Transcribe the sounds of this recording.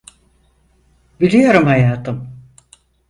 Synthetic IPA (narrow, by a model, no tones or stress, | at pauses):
bilʲijo̞ɾumhajaːt̪ʰɯm